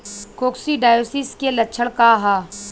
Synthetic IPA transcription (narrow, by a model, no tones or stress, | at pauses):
koːksiɖaːjoːsɪskelɐtːʃʰəɽkaɦaː